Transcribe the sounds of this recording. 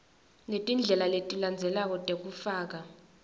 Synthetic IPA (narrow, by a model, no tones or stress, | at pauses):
letʼind͡ɮʱɛlaletʼiland͡zʱɛlak̬ɔtʼek̬ʼufaːk̬a